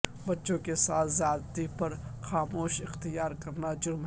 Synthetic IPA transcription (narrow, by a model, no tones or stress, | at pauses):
bɐtːʃõkesaːt̪ʰzaːd̪t̪ipɐɾxaːmoːʃɪxt̪ijaːɾkɐɾnad͡ʒʊɾmɦ